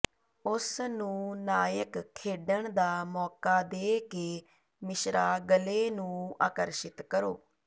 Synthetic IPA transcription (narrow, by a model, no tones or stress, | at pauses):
ʊsnũːnaːjəkkʰːeːɖəɳd̪aːmɔːkaːd̪eːkeː | mɪʃɾaːɡəleːnũːa̰ːkəɾʃɪt̪kəɾo̰ː